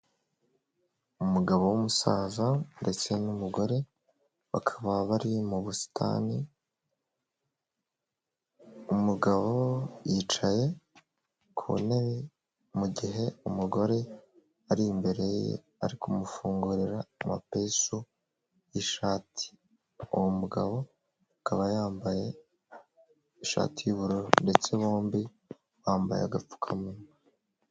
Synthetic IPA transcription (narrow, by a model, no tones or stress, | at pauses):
umuɡaβo̞wumusaːzande̞t͡se̞numuɡo̞ɾe̞ | βakʰḁβaβaɾijmuβusi̥tʰa̰ni | umuɡaβo̞jit͡ʃaje̞ | kʰṵneβe | muɟiɦe̞umuɡo̞ɾe̞ | aɾimbe̞ɾe̞jḛ | aɾikumufuːŋɡuɾiɾaːma̰pesu | jiʃaːtʰi̥ | uwomuɡaβo̞ | kaβajaːmbaje̞ | iʃa̰ːtijuβuɾoɾonde̞t͡se̞βoːmbi | waːmba̰jea̰ɡap͡fu̥kʰamuna